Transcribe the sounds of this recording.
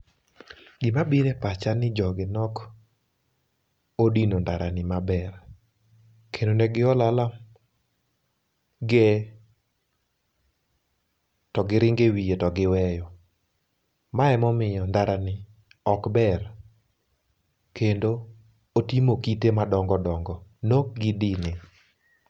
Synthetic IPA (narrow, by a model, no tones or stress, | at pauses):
ɡɪmabiɾɛpat͡ʃanɪd͡ʒɔɡɪnɔk | odinondaɾanɪmabɛr | kʰendonɛɡɪɔlalam | ɡɛ | tɔɡɪɾɪŋɡewijetɔɡɪwɛjɔ | maɛmɔmɪjɔndaɾanɪ | ɔkbɛr | kʰendo | otimokitemadɔŋɡɔdɔŋɡɔnoɡɪdinɪ